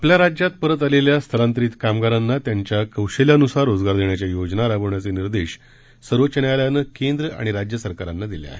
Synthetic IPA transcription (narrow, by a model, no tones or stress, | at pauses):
apljaɾad͡ʑjat̪̚pəɾət̪aleljast̪ʰəɾant̪̬ɾiːt̪kamɡaɾanːat̪jaɲt͡ɕjakəwɕeljanusaɾːod͡zɡaɾd̪ʱeɳjat͡ɕjajod͡ʑnaɾaʋəʋɳjat͡seniɾd̪eɕ | səɾʋət͡ɕəɳjaljanəkend̪ɾəa̰ɽ̃iɾad͡ʑjəsəɾkaɾanːad̪ilj̰a̰ɦe